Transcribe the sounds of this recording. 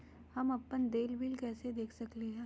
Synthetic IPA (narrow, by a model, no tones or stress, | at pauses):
hɐmɐpːənd̪eːlbɪlkɛːsed̪eːkʰsɐkleɦɛ̃ː